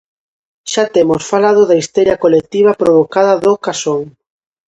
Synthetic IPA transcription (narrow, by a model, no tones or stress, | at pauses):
ʃat̪emʊsfalað̞ʊðaist̪ɔɾjɐkolek̚t̪iβ̞ɐpɾoβokaðɐðokasoŋ